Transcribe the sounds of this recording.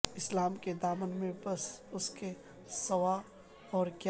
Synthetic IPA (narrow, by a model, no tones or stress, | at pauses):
ɪslaːmked̪aːmənmẽbɐsʊske | sɐwa | ɔːɾkja